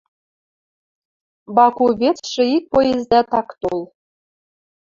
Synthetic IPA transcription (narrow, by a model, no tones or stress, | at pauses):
bɑkuβʲet̪ʃɘ̆ik̚pojezd̪æt̪ɑkt̪olˠ